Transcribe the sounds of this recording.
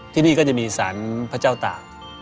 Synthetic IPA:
t̪ʰiː˥˩niː˥˩kɔ˥˩t͡ɕa˨˩miː˧sa̰ː˩˦npʰa˥˧˥t͡ɕaː˥˩wt̪a̰ː˨˩ŋ̚

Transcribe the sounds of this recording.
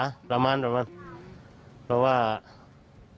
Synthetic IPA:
ɾa˧ma˦nɾa˧ma˦n | ɾa˨wa˦

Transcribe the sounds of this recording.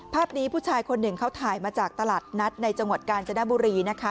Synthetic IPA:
pʰaː˥˩p̚niː˦˥pʰuː˥˩t͡ɕʰaː˧jkʰo˧nːɯ˨˩ŋkʰa˥˩wt̪ʰaː˨˩jmaː˧t͡ɕaː˨˩k̚t̪a˧laː˨˩t̪̚na˦˥t̪̚na˧jt͡ɕa˧ŋwa˨˩t̪̚kaː˧nt͡ɕʰa˧na˦˥buː˧ɾiː˧na˦˥kʰa˦˥

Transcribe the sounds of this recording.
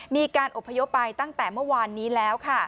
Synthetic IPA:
miː˧kaː˧nʔo˨˩pʰːa˧jo˦˥pːa˧jt̪a˥˩ŋt̪ɛː˨˩mɯ˥˩ɐwaː˧nːiː˦˥lɛː˦˥wkʰa˥˩

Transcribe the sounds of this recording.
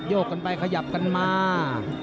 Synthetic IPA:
joː˥˩k̚ːa˧npa˧jkʰa˧ja˨˩p̚ka˧nmaː˧

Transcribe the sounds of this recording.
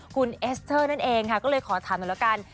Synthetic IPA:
kʰu˧nʔe˦˥st̪ʰɤː˥˩na˥˩nʔeː˧ŋkʰa˥˩kɔː˥˩lɤː˧jkʰɔː˩˦t̪ʰaː˨˩˦nu˧˨la˦˧˥kaː˧n

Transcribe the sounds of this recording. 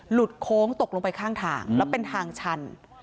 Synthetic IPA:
lu˨˩t̪̚kʰoː˦˥ŋt̪o˨˩k̚lo˧ŋpa˧jkʰaː˥˩ŋt̪ʰa̰ː˧ŋlɛː˦˥wpe˧nt̪ʰaː˧ŋt͡ɕʰa˧n

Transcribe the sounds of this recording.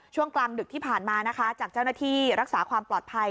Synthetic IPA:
t͡ɕʰu˥˩əŋkla˧ŋdɯ˨˩k̚t̪ʰiː˥˩pʰaː˨˩nmaː˧na˦˥kʰa˦˥t͡ɕaː˨˩k̚t͡ɕa˥˩wnaː˥˩t̪ʰiː˥˩ɾa˦˥k̚saː˩˦kʰwaː˧mplɔː˨˩t̪̚pʰa˧j

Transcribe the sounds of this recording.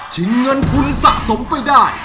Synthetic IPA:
t͡ɕʰɯ˨˦ŋːɤ˧nt̪ʰu˧nsa̰˧˨˩ʔso˨˦mpa˧jdaː˥˩j

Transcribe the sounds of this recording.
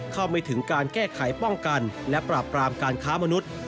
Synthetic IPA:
kʰa˥˩wmaː˧t̪ʰɯ˩˦ŋkaː˧nkɛː˥˩kʰa˩˦jpɔ˥˩ŋka˧nlɛ˦˥pɾaː˨˩pːɾaː˧mkaː˧nkʰaː˦˥ma˧nu˦˥t̪̚

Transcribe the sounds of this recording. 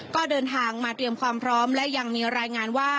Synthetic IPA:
kɔː˥˩dɤː˧nt̪ʰaː˧ŋmaː˧t̪ɾi˧əmkʰwaː˧mpʰɾɔː˦˥mlɛ˦˥ʔja˧ŋmiː˧ɾaː˧jŋaː˧nwaː˥˩

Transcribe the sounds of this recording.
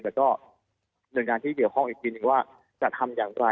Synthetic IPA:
t̪ɛː˨˩kɔː˥˩ | nɯ˨˩əŋkaː˧nt̪ʰiː˥˩ki˨˩əwkʰɔ˥˩ŋʔiː˨˩t̪ʰiː˧nɯ˨˧˩ŋwaː˥˩ | t͡ɕa˨˩t̪ʰa˧mjaː˨˩ŋɾa˧

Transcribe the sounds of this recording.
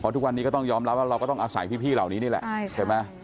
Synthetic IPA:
pʰɔ˦˧t̪ʰu˦˥k̚wa˧nːi˦kɔ˥˩t̪ɔ˥˩ŋjɔː˧mɾa˦˥p̚waː˥˩ɾa˧wkɔː˥˩t̪ɔ˥˩ŋʔaː˧sa˨˩˦jpʰiː˥˩pʰiː˥˩laː˨˩wniː˦˥niː˥˩lɛ̰˨˩ʔt͡ɕʰa˧˩jma˦˥j

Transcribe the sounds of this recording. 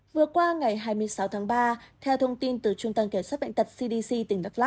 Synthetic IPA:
vɨ˨˩əkwaː˧ŋa˨˩jɦaː˧jmɨ˧əjsa˨˦wt̪ʰaː˨˦ŋɓaː˧t̪ʰɛ˧wt̪ʰə˧wŋ͡mt̪i˧nt̪ɨ˨˩t͡ɕʊ˧ŋ͡mt̪ə˧mke˧˩mswaː˦˥ɓ̰a̰˧˨ŋt̪t̚si˧ɗi˧si˧t̪ï˨˧˩ŋ̟ɗa˨˥t̚la˦˥

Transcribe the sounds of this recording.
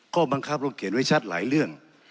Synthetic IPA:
kʰɔː˧˥˩ba˧ŋkʰa˦˥˩p̚lo˧˩kʰe˨˦nwa˦˥˩jt͡ɕʰa˦˥t̪̚la̰ː˩˦jɾɯ˥˩əŋ

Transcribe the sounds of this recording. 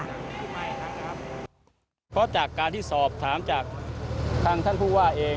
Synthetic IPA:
pʰɾɔ˦˥t͡ɕaː˨˩kːaː˧nt̪ʰiː˥˩sɔː˨˩p̚t̪ʰaː˩˦mt͡ɕaː˨˩k̚t̪ʰaː˧ŋt̪ʰa˥˩npʰuː˥˩waː˥˩ʔeː˧

